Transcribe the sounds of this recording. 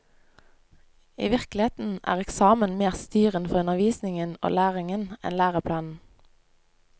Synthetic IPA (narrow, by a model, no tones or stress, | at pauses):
ḭːʋɪʁklɪeːt̪n̩æ̰ːʁɛksɑːmənmeːʁst̪yːʁənfɔʁʉnəʋiːsnɪŋəno̰ːlæːʁɪŋənɛ̰nlæːʁəpʰlɑːnn̩